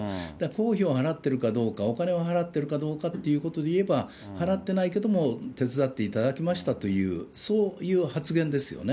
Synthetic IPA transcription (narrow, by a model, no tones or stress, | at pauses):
d̪̥ako̞ːçioɦaɾat̪ːe̞ɾɯ̟kad̪o̞ːkao̞kane̞βoɦaɾat̪ːe̞ɾɯ̟kad̪o̞ːkat̪ːe̞jɯ̟ːko̞t̪o̞d̪eie̞ba | haɾat̪ːe̞naike̞d̪o̞mo̞t̪e̞t͡sɨd̪at̪ːe̞it̪ad̪akʲimaɕi̥t̪at̪o̞jɯ̟̰ːso̞ːjɯ̟ːhat͡sɨɡẽnd̪e̞sɨjo̞̰ne